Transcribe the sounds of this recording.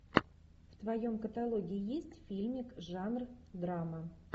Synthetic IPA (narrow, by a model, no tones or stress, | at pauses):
ft̪vɐjomkət̪alˠoɡʲɪɪjesʲtʲfʲilʲmʲikʐanrd̪ɾamə